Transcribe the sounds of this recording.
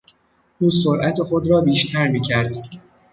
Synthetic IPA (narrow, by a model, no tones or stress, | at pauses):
ʔuːsoɾʔæt̪ʰexo̞d̪ɾɒːbiːʃt̪ʰæɾmiːcʰæɾd̪